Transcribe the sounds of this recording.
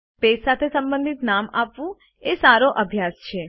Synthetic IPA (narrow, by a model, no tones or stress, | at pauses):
pessat̪ʰesəmbə̃nd̪ʱit̪namapʋũ | esaɾoʔəbʱjast͡ʃʰe